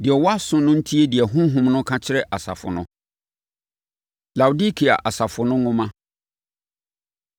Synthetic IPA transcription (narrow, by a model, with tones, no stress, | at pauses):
dɪ˨ɛ˨wɔ˦a˦sʊ̃˦nʊ̃˦n̩˦tʰi˦e˦dɪ˨ɛ˨ɦʊ̃˦ɦʊ̃˦mnʊ̃˦kʰã˦t͡ɕʰɪ˦ɾɛ˦ʔa˨sa̰˨fʊ̰˨nʊ̰̃˦ | la˨wu˨di˦kʰi˨a̰˨ʔa˨sa˨fʊ˨nʊ̃˦ŋʊ̃˦mã˦